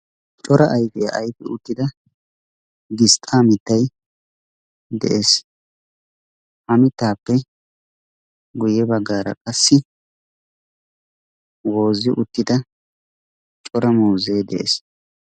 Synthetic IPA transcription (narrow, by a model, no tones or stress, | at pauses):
t͡ʃʼɔɾɐʔɐjkɪjɐʔːjkɪʊt̪ːɪd̪ɐ | ɡɪst̪ʼaːmɪt̪ːɐj | d̪ɛ̰ʔes | hɐmɪt̪ːaːpːɛ | ɡʊjɛbɐɡːaːɾɐ̰kʼɐsːɪ | wo̞ːzɪʔʊt̪ːɪd̪ɐ | t͡ʃʼɔɾɐmuːzeːd̪ɛʔḛs